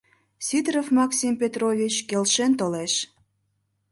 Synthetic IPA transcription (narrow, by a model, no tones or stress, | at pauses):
sʲit̪rofmɑksʲimpʲet̪rovʲit͡ɕkelʃent̪̬oleʃ